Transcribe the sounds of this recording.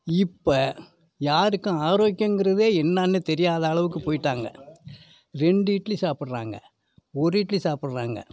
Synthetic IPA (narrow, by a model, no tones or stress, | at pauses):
ɪpːo | jaːɾɯkːʊ̃aːɾoːkːjɐŋɡɪɾɐðeːɛnːaːnːɯt̪ɛɾɪjaːðɐaːɭɐʋɯk̬ːɯpoːjɪʈːaːŋɡɐ̰ | ɾɛɳɖɯiːʈːlisaːpɪɽɾaːŋɡɐ̰ | ɔɾɯiːʈːlisaːpɪɽɾaːŋɡɐ̰